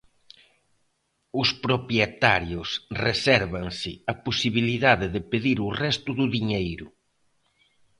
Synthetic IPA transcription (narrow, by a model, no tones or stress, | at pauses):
ʊspɾopjet̪aɾjʊsresɛɾβaŋsɪɐposiβiliðaðɪðɪpeðiɾʊrɛst̪ʊðʊðiɲejɾʊ